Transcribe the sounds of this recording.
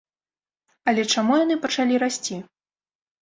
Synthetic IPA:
ɐlʲɛt͡ʂamujan̪ɨpɐt͡ʂalʲiɾasʲt͡sʲi

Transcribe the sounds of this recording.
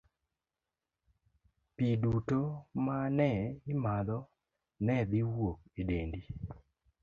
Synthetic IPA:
pidutomanɛɪmad̪ɔ | nɛd̪iwok̚edendi

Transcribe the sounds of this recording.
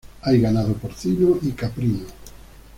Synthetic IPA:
ajɡanaðopoɾθinoikapɾino

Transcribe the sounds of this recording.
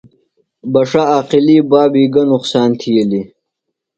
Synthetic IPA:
bɐʂaaːqilibaːbiːɡɐnʊqsaːnt̪ʰijeli

